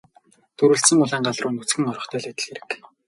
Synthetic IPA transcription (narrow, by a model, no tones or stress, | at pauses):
t̪ʰɵɾɘ̆ɬsɘ̆ŋʊɮaːɴɢaɮrʊːnut͡sɡɘ̆ŋɔɾɞ̆χt̪ʰœːɮæt̪ɘ̆ɮxeɾɘ̆k